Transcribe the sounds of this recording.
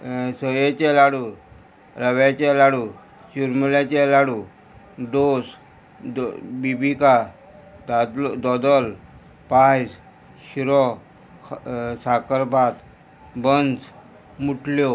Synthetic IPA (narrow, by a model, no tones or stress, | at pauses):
səjet͡ɕɛlaɽu | ɾəʋjat͡ɕɛlaɽu | ɕuɾmulat͡ɕɛlaɽu | d̪os | bibika | d̪ad̪ɔd̪əl | pas | ɕiɾɔ | sakəɾbʱat̪ | bənd͡z | muʈljo